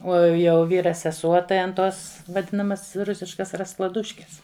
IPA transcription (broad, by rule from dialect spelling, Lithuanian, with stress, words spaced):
oː jɛʊ ˈʋʲiːrɐ sʲɛˈsuɔ tɐɪ ɐn toːs ʋɐˈdʲɪnɐmɐs ˈrʊsʲɪʃkɐs rɐsklˠɐˈdʊʃʲkʲɛs